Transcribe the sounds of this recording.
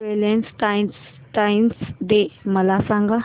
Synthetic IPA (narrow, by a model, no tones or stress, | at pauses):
elensʈajns | ʈajnsd̪eməlasãŋɡa